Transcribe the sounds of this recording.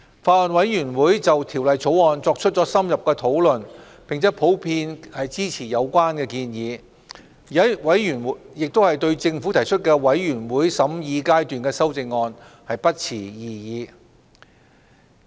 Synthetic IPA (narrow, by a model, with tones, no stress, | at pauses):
faː˧˩lɐ˨nwɐ˨˥jjyː˨˩nwuː˨˥jt͡sɐ˨wt̪ʰi˨˩wlɐ˨jt͡sʰo˨˥wɔː˧nt͡sɔː˧k̚t͡ʃʰɵ˥t̚t͡sɔː˨˥sɐ˥mjɐ˨p̚kɛː˧t̪ʰo˨˥wlɵ˨n | pɪ˨ŋt͡sʰɛː˨˥pʰo˨˥wpʰiː˧nhɐ˨jt͡siː˥t͡sʰiː˨˩jɐ˨˧wkʷaː˥nkɛː˧kiː˧njiː˨˧ | ji˨ɐ˥wɐ˨˥jyː˨˩n˨˥jɪ˨k̚t̪whɐ˨jt̪ɵ˧ɥt͡sɪ˧ŋfu˨˥t̪ʰɐ˨˩jt͡ʃʰɵ˥t̚kɛː˧wɐ˨˥jjyː˨˩nwuː˨˥jsɐ˨˥mjiː˧kaː˥jt̪yː˨nkɛː˧sɐ˥wt͡sɪ˧ŋːɔː˧n | hɐ˨jpɐ˥t̚t͡sʰiː˨˩jiː˨˩jiː˨˧